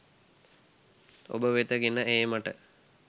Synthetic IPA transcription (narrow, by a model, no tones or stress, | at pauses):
o̰bəʋet̪əɡinːəeːmaʈə